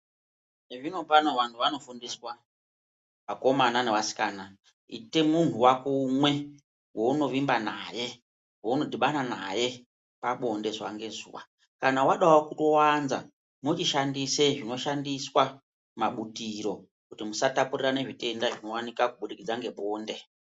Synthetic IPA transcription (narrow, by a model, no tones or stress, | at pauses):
neʐino̞pano̞ʋantʰuʋano̞fundiswa | pako̞manane̞wasi̥kaːna | ḭtemun̤uwakumwe̞ | wo̞uno̞ʋimbanaje̞ | wo̞uno̞dʱiɓananaje̞ | paɓonde̞zuwaŋɡe̞zṵwa̰ | kanawaɗawokutowanza̰ | mut͡ʃiʃandiseʐino̞ʃandiswa | maɓutiɾo̞ | kutimusatapurirane̞ʐite̞ndaʐino̞wanikakuɓuɗikid͡zaŋɡe̞ɓoːnde̞